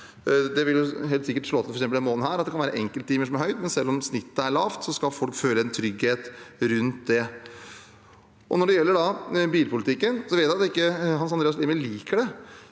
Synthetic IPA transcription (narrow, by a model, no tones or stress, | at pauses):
d̪ɛʋɪljʊɦeːlt̪sɪkːəʈʂɭoːt̪ɪfɾksɛmpəlɛnmoːlən̩hæːɾɑt̪d̪ɛkʰɑnæːɾəʔɛŋkəlt̪t̪ːiːməʂɔmæɾhœʏt̪mɛnsɛlːɔmsnɪt̪ːəæɭɑːft̪sɔskɑlfɔlkføːləɛnt̪ʰɾʏɡheːt̪ɾʉnt̪̚d̪ɛ | ʔɔnɔɖɛjɛlːəɖɑbiːlpʊlɪt̪ʰɪkːənsɔʋeːt̪ːæɑt̪d̪ɛɪkːəɦɑns̬ɑnd̪ɾeːɑs̬liːməliːkəɖɛ